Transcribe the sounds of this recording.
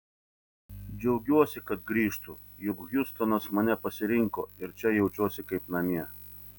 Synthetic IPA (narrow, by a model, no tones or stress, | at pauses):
d͡ʒʲɛʊɡʲuɔsʲɪkɐt̪ɡɾʲiːʃt̪ʊ | jʊkɣjʊst̪ɔnɐsmɐnʲɛpɐsʲɪɾʲɪŋkoːɪɾt͡ʃʲɛjɛʊt͡ʃʲuɔsʲɪkɐɪpnɐmʲiɛ